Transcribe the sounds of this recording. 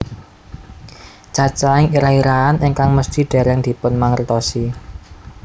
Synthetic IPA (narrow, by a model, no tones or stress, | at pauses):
t͡ʃat͡ʃaɪŋiɾaiɾaanɪŋkaŋməsd̪̥i̤ɖ̪̥ɛ̤ɾɛŋd̪̥i̤pʊnmaŋərt̪ɔsi